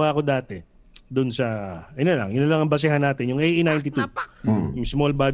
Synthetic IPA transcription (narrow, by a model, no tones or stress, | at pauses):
aːko̞d̪aːt̪ɛ | d̪ʊnsɐʔɐnolɐ̰ŋjʊnɐlɐŋɐmbɐs̬ɪɦanːaːt̪ɪnjʊŋɛjʔinajnt̪ɪt̪ujʊŋsmolbad̪